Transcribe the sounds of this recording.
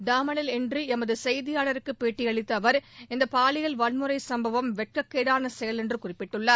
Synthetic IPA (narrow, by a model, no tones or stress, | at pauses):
ɖaːmɐnɪlɛndrɯɛmɐðɯsɛjðɪjaːɭɐɾɯkːɯpːeːʈːijɐɭɪt̪ːɐʋɐɾɪnd̪ɐpaːɭɪɣɐɭʋɐɭmɯɾɐɪsɐmbɐʋɐmʋɛʈ̚kɐkːeːɽaːnɐsɛjɐlɛndrɯkʊrɪpːɪʈːɯɭːɐ